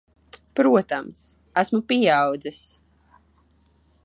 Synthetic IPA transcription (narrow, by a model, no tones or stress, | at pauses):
pɾuɔt̪ams | æsmupiawd̪zɛs